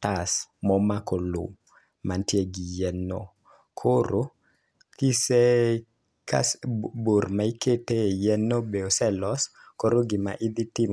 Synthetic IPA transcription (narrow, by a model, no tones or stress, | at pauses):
tasmɔmakɔlʊ̰ | mantjeɡijɛnːo̰ | kʰoɾo | kise | kasboɾmaiketejɛnobeosɛlɔs | koɾoɡima̰ʔid̪itim